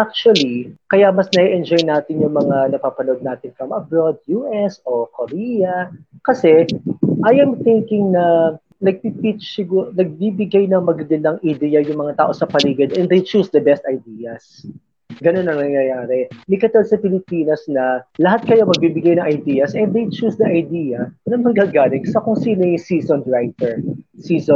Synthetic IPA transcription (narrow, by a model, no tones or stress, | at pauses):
ʔak̚t͡ʃuɐlikɐjamɐsnɐiʔɛnd͡ʒojnaːt̪ɪnjʊŋmɐŋanɐpaːpɐno̞d̪̚naːt̪ɪnfɹɐmʔɐbɹod̪̚juʔɛso̞koɾiːjɐkɐsɛʔɐjɐmθɪŋkɪŋnɐ | nɐɡ̚pipit͡ʃsɪɡunɐɡ̚biːbɪɡajnɐŋmɐɡɐɡɐnd̪ɐŋʔɐd̪ɛjɐjʊŋmɐŋat̪a̰ːʔo̞sɐpɐliːɡɪd̪ʔɛnd̪ejt͡ʃuːsd̪ɐbɛst̪ɐjd̪iːjɐs | ɡɐnonːɐŋnɐŋjɐjaːɾɛnɪkɐt̪olsɐpɪlɪpiːnɐsnɐlɐɦat̪̚kɐjo̞mɐɡ̚bibɪɡajnɐŋʔɐjd̪iːɐsʔɛnd̪d̪ejt͡ʃusd̪ɐʔɐjd̪iːjɐnɐŋmɐŋɡaɡaːlɪŋsɐkoŋsiːnɐjɪsiːsonɹajt̪ɛɹsiːso